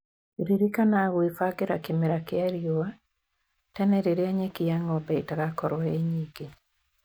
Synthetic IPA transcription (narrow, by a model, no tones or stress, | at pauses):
iɾiɾikanaɣoefakeɾakemeɾakeaɾjoa | tɛnɛɾeɾeaɲekiaŋɔbɛitaɣakɔɾwɛeɲiɡe